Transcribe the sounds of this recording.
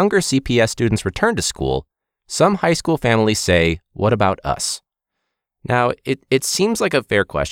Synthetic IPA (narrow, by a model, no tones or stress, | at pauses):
ʌ̃ŋɡə˞sipʰiɛstʉdⁿn̩tsɹɨtʰɜ̃˞ntɨskṵlˠ | sʌ̃mhaɪskulˠfæ̃ml̩ˠiz̥seɪwʌɾɨbaʊɾʌ̰s | nʔaʊɪɾɨtsĩmz̥laɪkɨfɛɹkʰw̥ɛ̰s